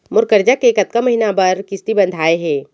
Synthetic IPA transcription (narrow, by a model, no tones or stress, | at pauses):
mʊɾkəɾd͡ʒakeːkɐt̪kamɐɦinabɐɾkɪst̪ibɐ̃nd̪ʱaːeɦɛ̃ː